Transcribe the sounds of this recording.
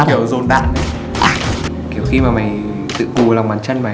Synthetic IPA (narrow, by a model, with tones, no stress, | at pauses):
ki˨˩əwzo˧˩nɗa̰ː˧˨na˨˩˧ | ki˧˩əwxi˧maː˨˩ma˨˩j | t̪ɨ̰˧˨ku˨˩la˨˩wŋ͡mɓaː˨˦nt͡ɕə˧nma˨˩